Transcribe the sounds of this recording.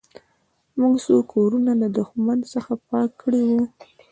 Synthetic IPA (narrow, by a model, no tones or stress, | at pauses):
muɡsokʰːoɾunalad̪ʊxmansəxapɑkʰːəɽiwu